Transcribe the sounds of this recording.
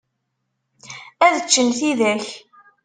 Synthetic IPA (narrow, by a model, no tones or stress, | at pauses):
æðət͡ʃːənθiðæç